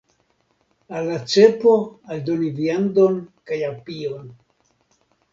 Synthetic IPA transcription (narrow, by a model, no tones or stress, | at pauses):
alːat͡sepoald̪oniviand̪onkajapion